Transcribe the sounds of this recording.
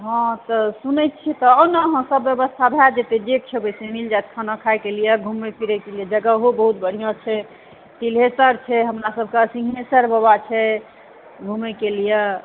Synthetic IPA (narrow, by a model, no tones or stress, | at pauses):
ɦɔ̃t̪ɔsunəjt̪̚t͡ʃʰit̪ɔːnəɦə̃səbːjəbəst̪ʰabʱad͡ʒet̪ed̪ek̚t͡ʃʰebɛsemild͡ʒajt̪̚kʰənãkʰajkelijeɡʱumepʰiɾɛkelijed͡ʒəɡəɦobəɦut̪̚bəɽ̤ijãt͡ʃʰɛ | t̪ilɦesəɾt͡ʃʰɛɦəmɾasəb̚ʱkesĩɡnesəɾbəbat͡ʃʰɛ | ɡʱumekelije